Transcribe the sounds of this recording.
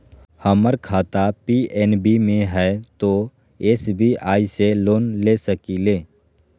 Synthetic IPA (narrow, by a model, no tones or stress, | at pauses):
həməɾkʰaːt̪apiːɛːnbimẽɦɛt̪o | eːsbʱiʔaːiseloːnlesəkileː